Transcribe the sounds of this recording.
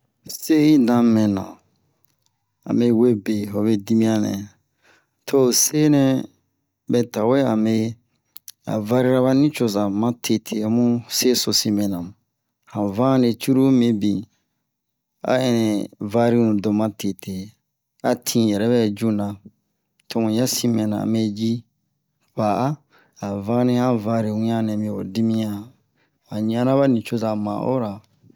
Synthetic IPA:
se˦ji˦dã˨˦mɛ̃˨nã̰˨ | a̰˨me˨we˦be˨ɦo˨βe˦di˦mĩ˦ã˦nɛ̰̃˨ | tʰo˦˨se˦nɛ̃˦ | bɛ˨ta˨we˦a˨me˦ | a̰˨va˦ɾi˦ɾa˦βa˦nĩ˦t͡ʃo˨za˨mã˦tʰe˨tʰe˨a˨mũ˦se˦so˨si˦mɛ̃˨nã˨m˨ | hã˨vã˦ne˨t͡ʃu˦ɾu˦mẽ˨bĩ˨ | a̰˦ɛ̃˨nɛ̃˨va˦ɾi˦nũ˨do˨mã˦tʰe˨tʰe˨ | a˨tʰĩ˦jɛ˨ɾɛ˦βɛ˦d͡ʒu˦nã˨ | tõ˨ŋũ˨ja˦si˦mɛ̃˨nã̰˨me˦d͡ʒi˦ | ba˨a˦ | a˨vã˦nĩ˦hã˦va˧˦ɾi˨wĩ˦ã˦nɛ̃˨mĩ˦˨o˨di˦mĩ˦ã˨ | a˨ɲ˨˦ã˦nã˦βa˦nĩ˨t͡ʃo˦za˨mã̰˨ʔo̰˦ɾa˨

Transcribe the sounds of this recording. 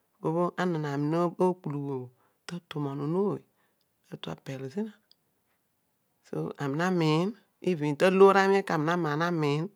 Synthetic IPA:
bo˨˦bo˦ʔa˦nɨ˨na˨mi˨no˦o˦ku˨lu˨wo˨ | tə˦to˨ma˨no˨no˦˨i˨ | ə˦tu˦a̰˦pe˨lo˨zi˦na˨ | so̰˦a˨mi˨na˦mi˨˦n | i˦vi˨ntə˦lo˦ɾa˦m˦e˦ka˨mi˨na˦ma˨na˦mi˨˦n

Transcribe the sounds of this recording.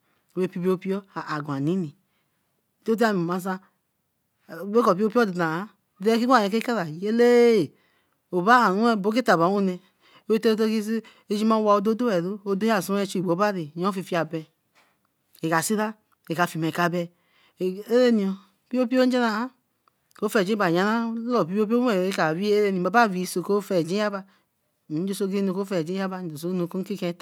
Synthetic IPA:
e˦˨pi˦bi˦o˦pi˦ɔ˦a˨a˨ɡʷa˨ni˨˦ni˨ | to˦da˦˨m˨i˨ma˨sa˧˦˨ | be˦kɔ˨pi˦o˦pi˦o˦di˨da˨a˦˨ | de˦ki˦ɡa˨e˨ke˦ka˦ɾa˨je˦le˦˨ | o˨ba˦a˨nu˦ɛ˦˨bo˨˦ke˦ta˨ba˨˦o˦nɛ˨˦ | e˦to˦t̬o˦ki˦si˦ | e˦d͡ʒi˦ma˦wa˨o˦do˦do˦ɛ˨ɾu˦o˦do˦a˦˨su˦ɛ˦t͡ʃi˦i˨ɡ͡bo˨˦ba˦ɾi˨jɔ˦fi˨fi˦a˨bɛ˨ | e˨ka˨si˦ɾa˦ | e˨ka˨fi˨m˨e˨ka˨bɛ˨ | e˦ɾe˦ni˨o˨ | pi˦o˦pi˦o˦n̩˦d͡ʒe˦na˨a˦ | ko˦fɛ˨d͡ʒi˦ba˨ɲ˨a˨na˦o˨pi˦o˦po˦e˨e˦ka˨βi˦e˦ɾe˦ni˨a˨˦ba˦˨vi˨so˨ko˦fɛ˨d͡ʒi˦a˦ba˦˨˦ | d͡ʒo˦so˦ɡi˦nu˨ko˦fɛ˨d͡ʒi˦a˦ba˧n˨d͡ʒo˨s̬o˨˦nu˨ko˦ki˦kẽ˦ta˨

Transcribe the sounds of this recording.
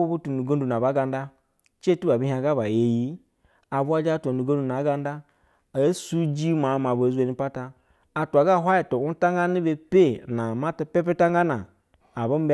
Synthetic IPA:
u˦bu˦tu˨nu˨ɡo˦n˦du˨na˨ba˨˦ɡa˨nda˦ | t͡ʃe˦tu˦ba˨bi˦ɦĩ˦a˨ɡa˦ba˨je˨ji˦ | a˨bu˦a˦d͡ʒa˦tu˨o˨nu˨ɡo˦n˦du˨na˨˦ɡa˦nda˦ | a˨˦su˦d͡ʒi˦ma˨˦ma˨ba˨zu˦e˨ni˦pa˦taː˦˨ | tu˨a˨ɡa˦˨ɦʷa˦ji˨to˨u˦ta˦ŋɡa˦ni˦be˦pe˦na˨ma˦ta˦pe˦p̬e˦ta˦ŋɡa˦naː˨ | ba˦m˦b

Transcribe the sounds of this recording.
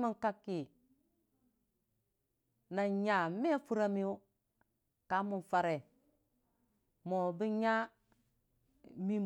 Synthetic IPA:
mu˦ŋka˦kːi˨ | na˨ɲa˨me˦fu˦ɾa˦mi˦u˦ | ka˨˦mu˨nfa˦ɾe˨ | mo˨bi˦ɲa˦ | mi˦

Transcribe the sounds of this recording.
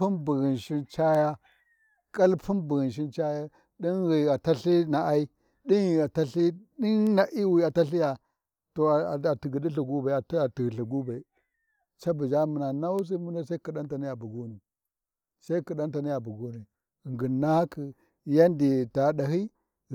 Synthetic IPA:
u˦nbi˨ɣi˨nʃi˦nt͡ʃa˦ja˦ | ka˦lpʰu˦nbu˨ɣi˨nʃ̬i˦nt͡ʃa˦ja˦ | ɗi˦nɣi˨a˨ta˦ɬi˦na˨ʔa˦i˦ | ɗi˦n˨a˨ta˦ɬi˦ɗi˦nna˨ʔi˦wi˨a˨ta˦ɬi˦ja˨ | to˨a˨ti˨ɡi˨ɗi˦ɬu˨ɡu˦ba˨a˨ta˨ti˨ɣɬu˨ɡu˦ba˨i˨ | t͡ʃa˦bu˨d͡ʒa˦mə˨na˨na˦wu˦s̬i˦mu˦nda˦sa˦ki˨ɗa˦n˦ta˨ni˦ja˨bu˨ɡo˦ni˨ | sa˦i˦ki˨ɗa˦nta˨ni˦ja˨bu˨ɡu˦ni˨ | ɣŋɡi˨nːa˦ha˦kʰi˨ | ja˦ndi˨ta˨˦ɗa˨ɦi˦

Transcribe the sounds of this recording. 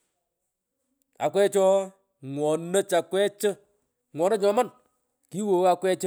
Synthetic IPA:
a̰˨kwɛ˦t͡ʃɔ˦ | ŋwɔ˨nə˦t͡ʃa˨kwɛ˦t͡ʃə˦ | ŋwɔ˨nə˦ɲɔ˨˦ma˦˨n | ki˦wo˨a˦kwɛ˦t͡ʃ

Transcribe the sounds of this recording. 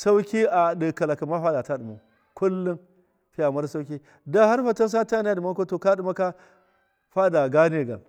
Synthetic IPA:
sa˦wkʲi˦ʔa˨di˨ka˨la˨ka˨ma˦ɸa˦da˨ta˦ɗu˨ma˨ | kʷʊ˦lːʊ˦ŋ | ɸi˦a˨ma˦ɾsa˦wkʲi˦ | da˦ha˦ɾɸa˨ta˦ns̬a˦ta˦ni˦a˦di˨ma˦ko˦to˨ka˦ɗu˨ma˦ka˦ | ɸa˦da˨ɡa˦ne˨ɡa̰˨l

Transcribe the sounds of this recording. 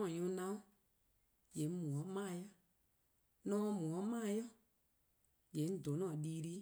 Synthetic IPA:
ɔ̃˨ɲũ˨˦nã˦ũ˦ | jɛ˨˦mũ˨ɔ̃˨˦mãː˦˨jɔ˦˨ | nɔ̃ː˦˧˦mũ˨ɔ̃˨˦mãː˦˨jɔ˦˨ | d͡ʒɛ̃˨˦n̩˦˨do˨˦nɔ̃˨ɗiː˦ɾi˦

